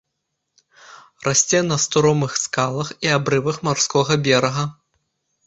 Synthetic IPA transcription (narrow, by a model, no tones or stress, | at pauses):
rʔasʲt͡sʲɛnɐst̪uɾɔmɨxskalˠɐxiabɾɨvɐxmarskɔɣɐbʲɛɾɐɣɐ